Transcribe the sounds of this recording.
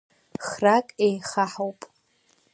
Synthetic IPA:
χrakʼejχaħawpʼ

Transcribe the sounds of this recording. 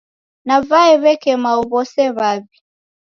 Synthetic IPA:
navaɛβɛkɛmauβɔsɛβaβi

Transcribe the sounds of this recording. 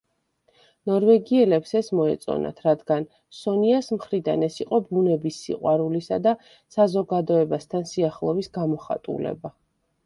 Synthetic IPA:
nɔɾvɛɡiɛlɛpsɛsmɔɛ̰t̪sʼɔ̰na̰t̪ʰɾad̪ɡan | sɔniasmχɾid̪a̰nɛsiqʼɔbunɛbisːḭqʼwaɾulisad̪a | sazɔɡad̪ɔɛbast̪ʰansiaχlˠɔbisɡamɔχa̰t̪ʼṵlɛ̰ba

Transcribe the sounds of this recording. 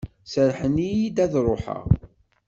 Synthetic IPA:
səɾħənijid̪æðɾˤoħə̰ʁ

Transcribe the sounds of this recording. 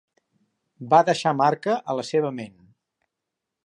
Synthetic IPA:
baðəʃamaɾkəʔələseβəmen

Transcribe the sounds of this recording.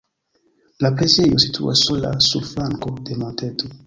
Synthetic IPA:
lapɾezejosit̪ʰṵa̰sola̰sulflaŋkodematet̪o

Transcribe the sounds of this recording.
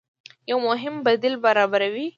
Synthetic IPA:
jawmʊɦɪmbad̪ilbaɾɑbaɾawi

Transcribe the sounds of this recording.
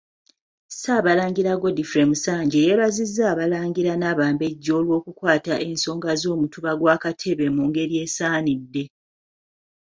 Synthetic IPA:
saːβalaːŋɡiɾaɡo̞difɾemusaːɲɟejeβazizːaːβalaːŋɡiɾanaːβaːmbe̞ɟːo̞ːlwo̞ːkukwaːtaʔe̞nso̞ːŋɡazo̞ːmutuβaɡwaːkatʰe̞βe̞muŋɡe̞ɾje̞ːsaːnidːe̞

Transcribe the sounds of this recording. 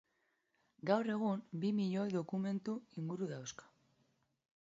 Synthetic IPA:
ɡawre̞ɣ̞umbimiʎo̞jðo̞kume̞nt̪uiŋɡuɾuðawskḁ

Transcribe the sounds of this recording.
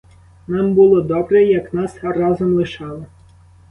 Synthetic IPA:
nɑmbʊlˠɔd̪ɔbɾɛjɐknɑsrɑzɔmlˠɪʃɑlˠɔ

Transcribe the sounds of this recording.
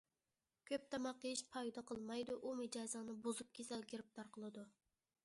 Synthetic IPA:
kʲʰøp̚t̪ʰɛmɑqːəjiʃpʰɑjd̪ɑqʰəlˠmɑjd̪uʔumɨd͡ʒɑːzɨŋnɨbozup̚kʲʰesɛlɡʲeɾɪp̚t̪ʰɑɾqʰəlˠɨd̪u

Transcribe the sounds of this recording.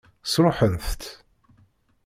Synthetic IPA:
sɾˤoħənθt̪

